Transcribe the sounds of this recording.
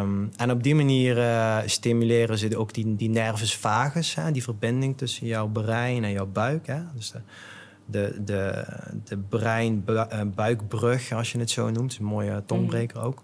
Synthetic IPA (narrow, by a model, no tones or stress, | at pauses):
mɛnɔb̚dimaniːrəstimylɪːrənzədowkdidinɛrvəsfaːɣəshɛdivərbɪndɪŋtɵsənjɔwbərɛjnɛnjɔwbœɥkɦɛdøs | dədədəbrɛjnbœɥkbrøxɑlˠsjənətsownumtɪsənmoːjətɔnbrejkəro̰wk